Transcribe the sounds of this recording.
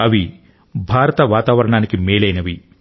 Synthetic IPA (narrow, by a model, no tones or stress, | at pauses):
ɐʋi | bʱaːɾɐt̪ɐʋaːt̪aːʋɐɾɐɳaːnikimeːlɐjnɐʋi